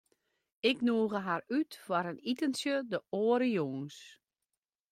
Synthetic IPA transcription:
ɪknuəɣəɦarytfɔɾənitənsjədəoːɾəjoːŋs

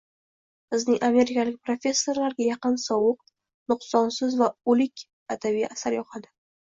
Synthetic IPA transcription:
b̥ɪznɪŋʔame̞ɾɪkʰʲalɪk̚ʲpɾofʲe̞sːo̞ɾlaɾɡʲajaqɨnsɒwʊq̚ | nʊqsɒnsɪzvaʊlɪkʲ | ad̪avijasaɾjɒqʰad̪ɪ

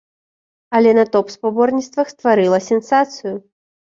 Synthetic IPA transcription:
ɐlʲɛnɐt̪ɔpspabɔrnʲit̪st̪vɐxst̪vaɾɨlˠɐsʲɛnsat̪sɨjʊ

